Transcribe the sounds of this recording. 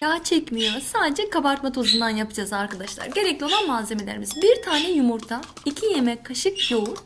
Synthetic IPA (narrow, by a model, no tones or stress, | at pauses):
jaːt͡ʃʰɛcmijo̞saːd̪ed͡ʒɛkʰabaɾt̪mat̪ʰozund̪anjapɯd͡ʒazaɾkʰad̪aʃlˠa̰ɾɟe̞ɾɛclʲio̞lˠanmaːze̞me̞lʲeɾimizbiɾt̪ʰaːnɛjumuɾt̪ʰaicʰijemɛkʰːaʃɯkjouɾ